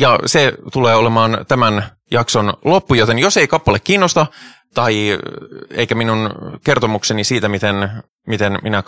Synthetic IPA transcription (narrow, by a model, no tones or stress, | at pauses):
jɑset̪uleːolemɑːnt̪æmæn | jɑkso̞nlo̞pːujot̪enjo̞seikɑpːɑlekːiːnːost̪ɑ | t̪ɑi | ḛikæminunke̞rt̪omuksenisiːt̪æmit̪en | mit̪enminæ